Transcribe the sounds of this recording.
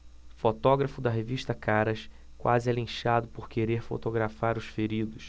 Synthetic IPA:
fot̪ɔɡɾɐfʊd̪ɐɦeviʃt̪ɐkaɾɐʃ | kwa̰zɪɛlĩʃad̪ʊpoɾkeɾeɾfo̰t̪oɡɾafaɾʊsfeɾid̪ʊs

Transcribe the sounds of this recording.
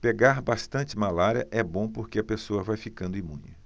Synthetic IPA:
peɡaɾbast̪ɐ̃nt͡ʃɪmalaɾiɐ̰ʔɛbõpoɾkeɐpesoɐvajfikɐ̃nd̪ʊĩmṵ̃ɲɐ

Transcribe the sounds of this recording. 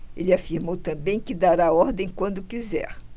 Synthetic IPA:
elɪafiɾmowt̪ɐ̃bẽj̃kɪd̪aɾaɔɾd̪ẽj̃kwɐ̃nd̪ʊkizɛ̰ɾ

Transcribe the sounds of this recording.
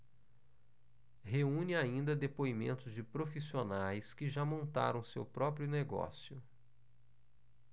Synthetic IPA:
ɦeũnɪaĩnd̪ɐd̪epoimḛ̃nt̪ʊzd͡ʒɪpɾofisionajskɪʒamõnt̪a̰ɾɐ̃w̃sewpɾɔpɾjʊneɡɔ̰sjʊ

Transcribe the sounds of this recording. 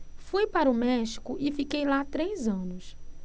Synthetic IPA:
fujpaɾɐʊmɛʃi̥kʊʔɪfikejlat̪ɾejzɐ̃nʊs

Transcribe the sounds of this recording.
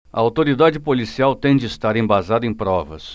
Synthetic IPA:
ɐ̰awt̪oɾid̪ad͡ʒɪpolisiawt̪ẽj̃d͡ʒɪst̪aɾẽbazad̪ʊẽj̃pɾɔvɐ̰s

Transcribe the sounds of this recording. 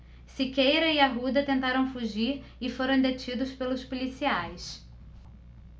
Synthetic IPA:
sikejɾɐɪɐɦud̪ɐt̪ẽnt̪aɾɐ̃w̃fuʒiɾɪfoɾɐ̃w̃d̪et͡ʃid̪ʊspelʊspolisiajs

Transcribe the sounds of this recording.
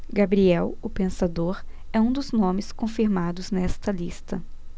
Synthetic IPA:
ɡabɾiɛwʊpẽsad̪oɾɛũd̪ʊznõmɪskõfiɾmad̪ʊznɛst̪ɐlist̪ɐ

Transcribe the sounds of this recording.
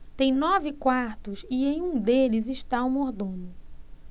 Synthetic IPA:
t̪ẽj̃nɔvɪkwaɾt̪ʊsɪẽj̃ũd̪elɪzɪʃt̪aumoɾd̪õnʊ

